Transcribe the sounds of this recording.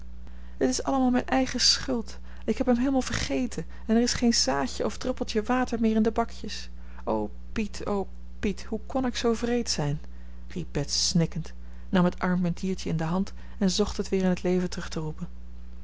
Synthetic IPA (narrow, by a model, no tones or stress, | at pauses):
dətɪsɑ̰ləmaːlˠmɛjnʔɛjχəsχʏlˠt | ɪkɦɛpɦəmɦejləmalˠv̥əɹχejtʰə | ɛnɛɹɪsχejnzaːçəʔɔvdrɪpəlˠtəʋaːtəɹmɪːɹɪndəbɑkjəs | ʔow | pitʰow | pithukɔnɪksowvrejtsɛjn | rib̚b̥ɛtsːnɪkənt | nɑmɦətɑɹmmɛntʰiːɹt͡ʃəɪndəɦɑnt | ɛnzɔχtɦətʋɪːɹɪnɦətlejvəntrɵχtərupən